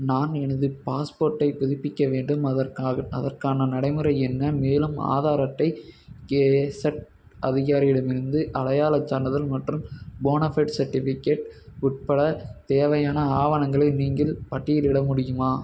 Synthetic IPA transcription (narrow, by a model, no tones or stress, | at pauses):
naːnɛnɯðɯpaːspoːɾʈːɐɪpʊðɪpːɪkːɐʋeːɳɖɯmɐɐɐ̰ðɐrkaːnɐnɐɽɐɪmɯɾɐɪɛnːɐmeːlɯma̰ːðaːɾɐt̪ːɐɪkesɐʈ | ɐðɪɣaːɾɪɪɽɐmɪɾɯnd̪ɯʔɐɽɐjaːlɐt͡ʃːaːɳɖɐðɐlmɐʈrɯmboːnɐfɐʈsɐɾʈːɪfɪkːeːʈʊʈ̚pɐɽɐt̪eːʋɐjaːnɐaːʋɐnɐŋɡɐɭɐɪniːŋɡɐlpɐʈːɪjɪlɪɽɐmʊɽɪjɯmaː